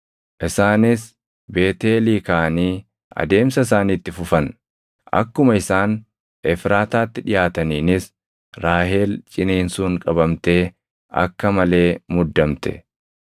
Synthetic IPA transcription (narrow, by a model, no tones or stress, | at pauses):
ʔɪsaːnɪs | be̞ːt̪e̞ːliːkaʔɐniː | ɐ̰d̪e̞ːmsɐɪsaːniːt̪ːɪfʊfɐn | ʔɐ̰kːʊmɐɪsaːn | ɛfɾaːt̪aːt̪ːɪᶑɪjaːt̪ɐniːnɪs | ɾaːhe̞ːlt͡ʃʼɪneːnsuːŋkʼɐbɐmt̪e̞ː | ɐ̰kːɐmɐle̞ːmʊd̪ːɐmt̪ɛ̥̰